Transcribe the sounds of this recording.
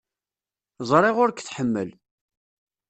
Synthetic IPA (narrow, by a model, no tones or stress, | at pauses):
zˤɾˤeʁʊɾkθħəmːə̰l